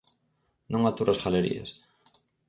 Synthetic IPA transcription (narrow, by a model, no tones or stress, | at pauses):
nõŋat̪uɾasɣaleɾḭa̰s